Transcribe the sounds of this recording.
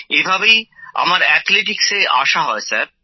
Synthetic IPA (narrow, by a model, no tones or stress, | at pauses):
ebʱabeja̰maɾɛt̪ʰleʈ̬ikseʔa̰ʃaɦɔesa̰ɾ